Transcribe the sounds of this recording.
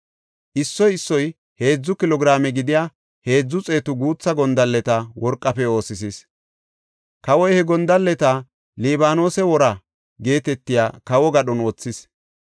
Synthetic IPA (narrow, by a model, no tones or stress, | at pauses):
ʔɪsːɔjɪsːɔj | he̞ːd͡zːʊkɪlɔɡɪɾaːmɛɡɪd̪ɪjaː | he̞ːd͡zːʊt͡sʼe̞ːt̪ʊɡuːt͡sːɐɡɔnd̪ɐlːɛt̪ɐwɔɾkʼːɐfɛo̞ːsɪsis | kɐwɔjhɛɡɔnd̪ɐlːɛt̪a | liːbaːno̞ːsɛwɔɾɐ | ɡe̞ːt̪ɛt̪ːɪjaːkɐwɔɡɐɗɔnɔːt͡sːɪs